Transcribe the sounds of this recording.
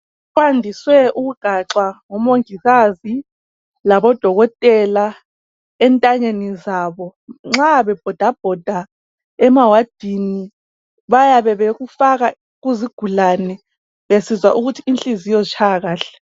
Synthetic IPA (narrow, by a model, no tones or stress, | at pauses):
wandʱiswɛʔuɣuɡ̥ʱaǁwaŋɔmoŋiɣazi | laβɔd̥ʱɔɣɔtʼɛla | ɛntʼaɲenizaːβɔŋ͡ǁaβɛb̥ʱɔd̥ʱab̥ʱɔd̥ʱa | ɛmawad̥ʱini | βajaβɛβeɣufaɣa | ɣuziɡ̥ʱulaːnɛ | βesizwa̰ʔuɣutʰiːnt͡ɬʼizijɔt͡ʃʰaɣaːɬɛ̥